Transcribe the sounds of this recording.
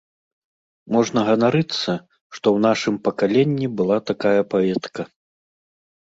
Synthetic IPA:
mɔʐnɐɣɐvaɾɨt̪sːɐ | ʂt̪ɔwn̪aʂɨmpɐkalʲenʲːibɨlˠat̪akajɐpavʲɛt̪kɐ

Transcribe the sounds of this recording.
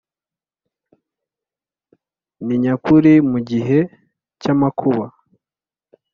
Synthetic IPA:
niɲakuɾimuɟiɦe̞ | camakʰuβa

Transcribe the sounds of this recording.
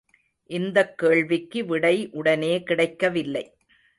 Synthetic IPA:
ʔɪnd̪ɐkːeːɭʋɪkːɯʋɪɽɐɪʔʊɽɐneːkɪɽɐɪkːɐʋɪlːɐɪ

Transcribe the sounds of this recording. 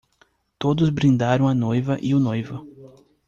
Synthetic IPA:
t̪od̪ʊzbɾĩnd̪aɾɐ̃w̃ɐnojvɐʔɪʊnojvɐ

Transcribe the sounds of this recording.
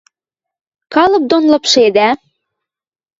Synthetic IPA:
kɑlɤ̆p̚d̪onlɤ̆pʃed̪æ

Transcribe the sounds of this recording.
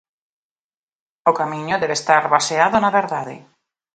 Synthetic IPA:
okamiɲʊðɛβest̪aɾβaseaðonaβeɾðaðɪ̰

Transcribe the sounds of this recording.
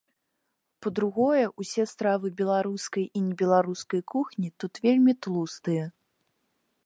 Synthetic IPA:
pɐd̪ɾuɣɔjɐʔusʲɛst̪ɾavɨbʲɛlˠaɾuskɐjʔinʲɛbʲɛlˠaɾuskɐjkuxnʲit̪ut̪vʲelʲmʲit̪lˠust̪ɨjɐ

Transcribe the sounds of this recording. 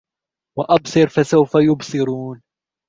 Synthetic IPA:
waʔɑbsˤɨɾfasawfajʊbsˤɨɾuːn

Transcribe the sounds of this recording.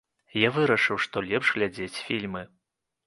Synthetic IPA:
javɨɾɐʂɨwʂt̪ɔlʲɛpʂɣlʲad͡zʲet͡sʲfʲilʲmɨ

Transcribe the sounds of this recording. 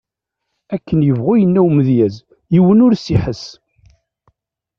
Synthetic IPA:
ækːənjəvʁʊjənːæwməðjæz | jiwənʊɾsiħəs

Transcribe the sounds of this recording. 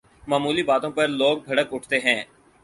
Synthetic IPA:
maːmuːlibaːt̪õpɐɾloːɡ̚bʱɐɽəkʊʈʰt̪eɦɛ̃ː

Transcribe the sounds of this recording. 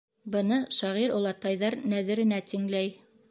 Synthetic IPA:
bɤ̆nɤʃɑʁiɾulˠɑt̪ɑjðɑɾnæðɘ̆ɾɘ̆næt̪iŋlæj

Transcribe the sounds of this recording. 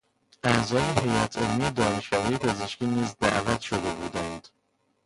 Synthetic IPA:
ʔæʔzɒːjehe̞jæt̪ʰelmijed̪ɒːneʃɒːvːjepʰe̞zeʃkiːniːzd̪æ̰ʔvæt̪ʃod̪e̞buːd̪ænd̪̥

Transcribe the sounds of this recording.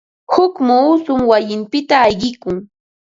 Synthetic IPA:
hʊkmuːsʊmwajɪmpɪt̪aːjɢɪkʊŋ

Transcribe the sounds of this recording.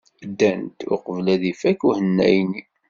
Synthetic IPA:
əd̪ːænt̪ʊqəvlæðifækuhənːæ̰jni

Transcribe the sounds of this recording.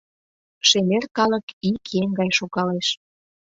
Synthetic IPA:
ʃemerkɑlə̆kikjeŋɡɑjʃuɣɑleʃ

